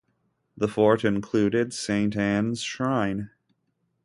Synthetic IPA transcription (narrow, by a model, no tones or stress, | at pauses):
ðəfɔɹɾɨ̃nkʰl̥ʉɾɪdsẽɪ̃ntæ̃nz̥ʃɹãɪ̃n